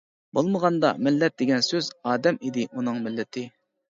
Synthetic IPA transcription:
bolˠməʁɑnd̪ɑ̰mɪlːɛt̪̚d̪eɡʲɛnsøzɑːd̪ɛmid̪ɪʔunɨŋmɪlːɪt̪ʰɪ

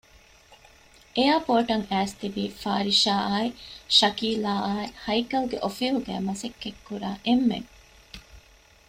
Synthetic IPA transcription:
ʔejaːpoːʈɐŋæːst̪iʋiːfaːɾiʃaːaːeʃɐkiːlaːʔaːehɐjkɐlɡeʔofiɦuɡæ̰ːmɐsekːekːuɾaːʔemːḛŋ

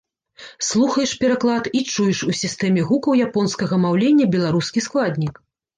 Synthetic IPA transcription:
slˠuxɐjɛʂpʲɛɾaklˠat̪it͡ʂujɛʂusʲist̪ɛmʲɛɣukɐwjapɔnskɐɣɐmawlʲenʲːɐbʲɛlˠaɾuskʲisklˠad̪ʲnʲik

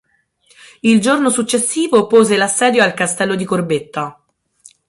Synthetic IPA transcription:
ild͡ʒornosut͡ʃːesːiːvopoːzelasːɛːd̪joalkast̪ɛlːod̪ikorbet̪ːa

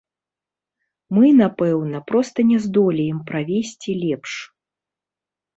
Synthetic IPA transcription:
mɨnapɛwnɐpɾɔst̪ɐnʲɛzd̪ɔlʲɛjɛmpɾavʲesʲt͡sʲilʲɛpʂ

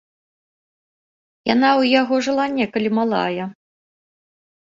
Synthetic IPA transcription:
ja̰nawjaɣɔʐɨlˠanʲːɛkɐlʲimalˠa̰jɐ

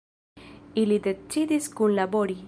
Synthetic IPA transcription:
ilid̪et͡ʃːid̪iskunlaboɾi

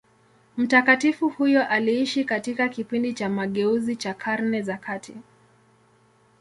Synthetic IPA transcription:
m̩takatifuhujɔʔaliiʃikatikakipindit͡ʃamaɠɛuzit͡ʃakʰaɾnɛzakʰatʰi

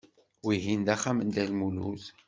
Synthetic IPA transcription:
wiɦind̪æχamənd̪ælmulṵθ

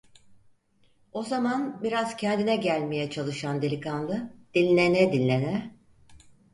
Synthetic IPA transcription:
o̞zamanbiɾaz̥cʰɛnd̪inɛɟælʲme̞jɛt͡ʃʰalˠɯʃand̪elʲikʰanlˠɯd̪̥inʲlʲenɛd̪inːʲenɛ

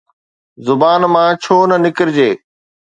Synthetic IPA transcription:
zʊbaːnmãːt͡ɕʰoːnənɪkɪɾd͡ʑeː

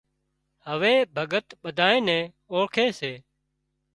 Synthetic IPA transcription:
həʋeːbʱəɠət̪ɓəd̪ʱaːẽːnɛ̃ː | õːkʰeːseː

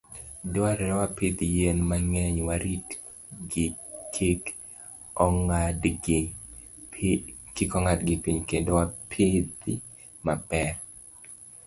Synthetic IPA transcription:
dowaɾɛɾɛwapit̪ijenmaŋɛɲwaɾit | ɡɪkʰik | ɔŋad | kɪkɔŋadɡɪpiɲkendowapʰɪt̪i | mabɛr

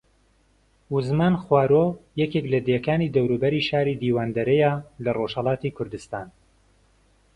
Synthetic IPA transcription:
uzmaːnxwaːɾojɛkeklɐd̪ekaːniːd̪ɐwɾuːbɐɾiːʃaːɾid̪iːwaːnd̪ɐɾɛjalɐroʃhɐlˠɑːt̪iːkʰʊɾd̪ɨst̪aːn

